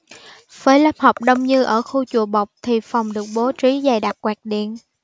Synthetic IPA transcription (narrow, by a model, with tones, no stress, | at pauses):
vəː˨˦jlə˦˥p̚ha˨˩wk͡p̚ɗə˧wŋ͡mɲɨ˧ʔəː˧˩xu˧t͡ɕu˧˩əɓa˨˩wk͡p̚t̪ʰi˨˩fa˨˩wŋ͡mɗɨ˨˩ək̚ɓo˨˦t͡ɕi˨˦za˨˩jɗa˨˩t̚kwaː˨˩k̚ɗḭ˧˨ən